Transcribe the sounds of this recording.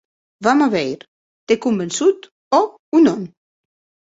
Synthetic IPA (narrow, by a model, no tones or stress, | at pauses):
vamaβɛjɾ | t̪ekumbənsut̪ | ɔ | unɔn